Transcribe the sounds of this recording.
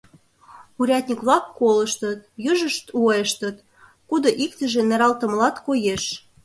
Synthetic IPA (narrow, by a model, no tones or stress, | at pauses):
uɾʲɑt̪̚ʲnʲikβlɑkːoləʃt̪ə̆t̪̚jyʒəʃt̪uɑʃt̪ət̪ | kud̪oʔikt̪ə̆ʒĕneɾɑlt̪ə̆mlɑt̪kojeʃ